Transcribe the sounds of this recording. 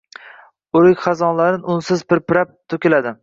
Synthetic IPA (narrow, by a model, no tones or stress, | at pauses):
oɾɪkʲχɑzɒnlaɾɪnʊnsɪzpɪɾpɪɾap̚t̪ʰɵkʲɪlad̪ɪ